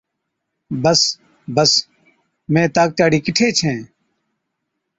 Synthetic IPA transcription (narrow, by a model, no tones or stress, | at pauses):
bəs | bəs | mẽːt̪aːk̚t͡ʃaːɽiːkɪʈʰeːt͡ʃʰẽː